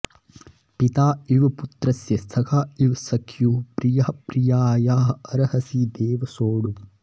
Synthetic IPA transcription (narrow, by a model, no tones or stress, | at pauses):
pit̪aːiʋput̪ɾɐsjɐst̪ʰɐkʰaːiʋsɐkʰjupɾijɐɐpɾijaːjaːɦɐɾɐhɐsid̪eːʋɐsoːɽu